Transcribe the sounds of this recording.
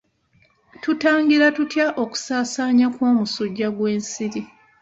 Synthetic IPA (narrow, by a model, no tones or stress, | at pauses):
tutaːŋɡiɾatutjaʔo̞ku̥saːsaːɲakwoːmusuɟːaɡwe̞ːnsiɾi